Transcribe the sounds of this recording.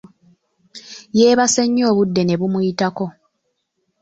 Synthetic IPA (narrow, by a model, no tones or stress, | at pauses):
je̞ːβaseɲːo̞ːβudːe̞ne̞βumujitako̞